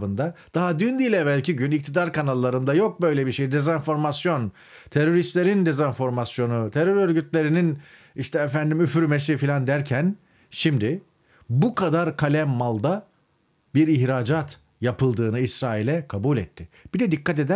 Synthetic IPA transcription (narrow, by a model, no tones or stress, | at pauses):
bɯnd̪ad̪̥aɦad̪ynd̪iːlʲɛbælʲcʰiɟynic̚t̪ʰid̪aɾkanalˠːaɾɯnd̪ajo̞k̚bø̞jlʲebiɾʃe̞jid̪e̞zanfo̞ɾmasjo̞n | t̪ʰeɾo̞ɾist̪lʲe̞ɾind̪e̞zanfo̞ɾmasjo̞nut̪ʰeɾøɾø̞ɾɟyt̪lʲe̞ɾinin | iʃt̪ʰɛefænd̪imyfyɾmes̬ifilʲand̪æɾcʰæn | ʃimd̪ɪ | bukʰad̪aɾkʰalʲɛmːalˠd̪a | biɾiçɾaːd͡ʒat̪ | japɯlˠd̪ɯːnɯisɾaːilʲɛkʰabuːlʲɛt̪ʰːɪb̥id̪ɛd̪ikʰːat̪ed̪æ